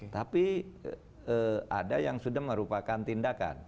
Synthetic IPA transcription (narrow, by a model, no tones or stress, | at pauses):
t̪api | əadajaŋsudahməɾupakant̪indaka̰n